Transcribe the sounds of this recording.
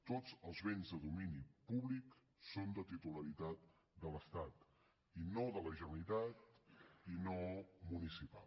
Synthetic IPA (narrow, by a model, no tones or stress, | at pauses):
t̪ozəlˠzβenzðəðuminipuβlik | sond̪ət̪it̪uləɾit̪at̪̚ | d̪ələst̪at̪ | inoðələʒənuit̪at̪inomunisipa̰l